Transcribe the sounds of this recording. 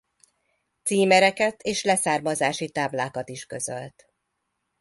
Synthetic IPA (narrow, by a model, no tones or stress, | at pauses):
t̪siːmɛɾɛkɛt̪ʰeːʃlɛsaːrmɒzaːʃit̪aːblaːkɒt̪iʃkø̞zø̰lt̪